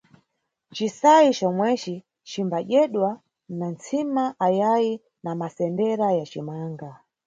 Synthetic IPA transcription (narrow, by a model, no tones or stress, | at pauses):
t͡ʃisait͡ʃɔmwɛt͡ʃi | t͡ʃimbaʄɛɗwa | nant͡sʰimaʔajaji | namasɛndɛɾajat͡ʃimaːŋɡa